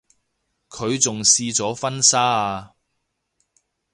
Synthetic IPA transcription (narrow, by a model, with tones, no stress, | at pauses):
kʰɵ˨˧ɥt͡sʊ˨ŋsiː˧t͡sɔː˨˥fɐ˥nsaː˥a˧